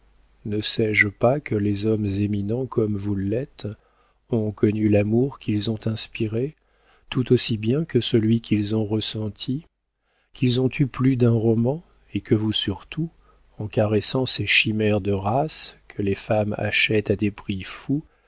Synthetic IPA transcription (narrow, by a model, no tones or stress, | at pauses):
nəsɛʒpakəlezɔmzeminɑ̃kʰɔmvulɛt̪ | ɔ̃kɔnylamuʁkʲʰilzɔ̃t̪ɛ̃spiʁe | t̪ut̪osibjɛ̃kəsəlɥikʰʲilzɔ̃ʁəsɑ̃t̪ʰi | kʲilzɔ̃t̪yplyd̪ɛ̃ʁɔmɑ̃ | ekəvusyʁt̪u | ɑ̃kaʁesɑ̃seʃimɛʁd̪əʁaskʰəlefama̰ʃɛt̪ad̪epχifu